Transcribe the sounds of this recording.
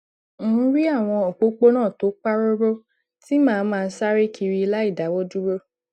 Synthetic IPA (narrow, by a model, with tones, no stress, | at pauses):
ɾi˦a˦˨w̃ɔ̃˧o˨k͡po˨˦k͡po˦nãː˦˨to˨˦k͡pa˦ɾo˦ɾo˦ | ti˦mãː˦˨˧mãː˦˧˦sa˦ɾe˦kʰi˧ɾi˧i˧la˦i˦˨da˨˦wɔ˦du˦ɾo˦